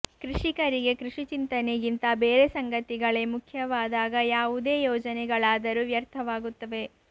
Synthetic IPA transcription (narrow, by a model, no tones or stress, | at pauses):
kɾiʂikɐɾiɡe̞kɾuʂit͡ʃint̪ɐnejint̪ɐbeːɾesɐŋɡɐt̪iɡɐɭe̞mukʰjɐʋaːd̪aːɡɐjaːʋud̪e̞ːjɔːd͡ʒɐnɛɡɐɭaːd̪ɐɾuːʋjɐɾt̪ʰɐʋaːɡut̪ːɐʋe̞